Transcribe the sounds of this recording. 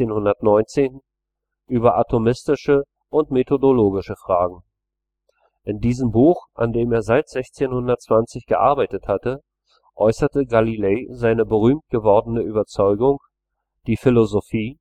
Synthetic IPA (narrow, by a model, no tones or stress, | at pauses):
eːnhʊndɐtnɔʏnt͡seːn | ʔyːbɐʔatʰomɪstɪʃə | ʔʊntmetʰodoloːɡɪʃəfʁ̥aːɡŋ̩ | ʔɪndiːzəmbuːxʔa̰ndeːmeːɐzaɪtz̥ɛçt͡seːnhʊndɐt̚t͡sv̥ant͡sɪçɡ̥əʔa̰ɐbaɪtəthatə | ʔɔʏsɐtəɡalileːzaɪnəbəʁyːmt̚ɡ̥əvɔɐdən̩əʔyːbɐt͡sɔʏɡʊŋ | d̥iːfɪlozofiː